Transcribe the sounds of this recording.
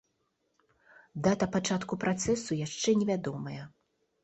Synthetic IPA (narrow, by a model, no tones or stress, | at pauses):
d̪at̪ɐpat͡ʂat̪kupɾʔat̪sɛsujaʂt͡ʂɛnʲɛvʲad̪ɔmɐjɐ